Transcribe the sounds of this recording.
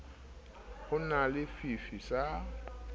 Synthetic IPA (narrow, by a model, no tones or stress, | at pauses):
ʊnalɪfifisa